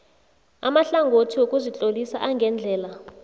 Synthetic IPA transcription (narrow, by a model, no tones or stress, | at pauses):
a̰maɬaŋɡʱotʰiwokʼuzit͡ɬʼolisaʔaŋɡʱɛnd͡ɮʱɛːla